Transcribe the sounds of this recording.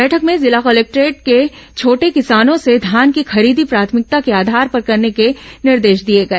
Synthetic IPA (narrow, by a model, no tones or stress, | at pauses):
bɛːʈʰəkmẽzɪlakɔleːk̚ʈɾeːʈ̚ket͡ʃʰoːʈekɪsaːnõsed̪ʱjaːnkixɐɾiːd̪ʱipɾaːt̪ʰmɪk̚t̪akeaːd̪ʱaːɾpɐɾkɐɾnekenɪɾd̪eːʃd̪ieɡɐeː